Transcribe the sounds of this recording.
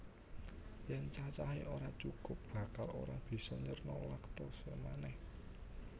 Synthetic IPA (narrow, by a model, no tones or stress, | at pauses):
jɛnt͡ʃat͡ʃaɦeʔoɾat͡ʃukʊp̚b̥ä̤kalo̰ɾab̥i̤sɔɲərnɔwakt̪ɔsemanɛh